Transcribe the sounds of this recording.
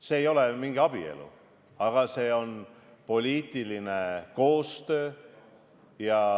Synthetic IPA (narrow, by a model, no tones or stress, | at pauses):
seːjo̞lemiŋɡ̥iɑb̥ie̞̰lṵ | ɑɡ̥ɑse̞ːo̞n | po̞lʲiːt̪iline̞ko̞ːst̪ø̞ː | jɑ